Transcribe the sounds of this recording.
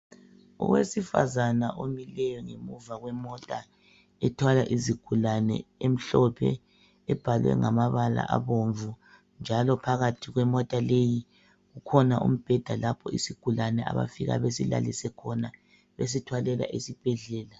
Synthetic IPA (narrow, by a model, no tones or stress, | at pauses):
ɔ̰ɣwesifa̰zanaʔomilɛjɔŋemuvaɣwɛmɔtʼa | ɛtʰwalaʔiziɡ̥ʱulanɛ̰em̩ɬɔpʰɛ̰ | ɛb̥ʱalwɛ̰ŋamaβala̰ʔaβoɱvu | nd͡ʒʱalɔpʰaɣatʰiɣwɛmɔtʼaleji | ɣukʰɔnaʔṵm̩b̥ʱɛd̥ʱalapʰɔisiɡ̥ʱulanɛa̰βa̰fiɣa̰βesila̰lisɛkʰɔna | βes̬itʰwalɛla̰ʔesib̥ʱɛɮɛːla